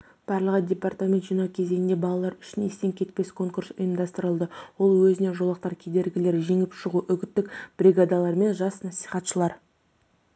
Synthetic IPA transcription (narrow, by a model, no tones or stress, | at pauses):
b̥ɑɾlˠəʁədʲe̞part̪amʲent̪ʒinɑkʲʰe̞ze̞jɪnd̪e̞bɑlˠɑlˠɑɾʏ̥ʃɪnest̪eŋkʲʰe̞t̪pe̞skʰo̞ŋkuɾsʊjəmd̪ɑst̪əɾəlˠd̪əwo̞lˠwɵzɪne̞ʒolˠɑq̚t̪ɑɾkʲʰe̞d̪e̞ɾɡʲɪle̞ɾʒe̞ŋɪpʃəʁuʔʏɡʲɪt̪ːɪkb̥ɾʲiɡad̪alˠɑɾme̞nʒɑsnɑsi̥χɑt̪ʃəlˠɑɾ